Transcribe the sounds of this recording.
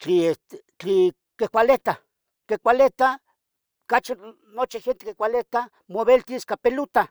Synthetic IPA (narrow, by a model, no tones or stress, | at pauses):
t͡ɬiest̪e | t͡ɬi | kekʷalet̪a | kekʷalet̪a | kat͡ʃi | not͡ʃixent̪ekekʷalet̪a | moβelt̪iskapelut̪a